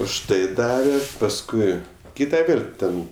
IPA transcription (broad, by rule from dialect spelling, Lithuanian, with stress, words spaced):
ʊʃ ˈtɐɪ ˈdɑːʋʲɛ pɐsˈkʊɪ ˈkʲiːtɐ ˈʋʲeːlʲ ˈtʲɛn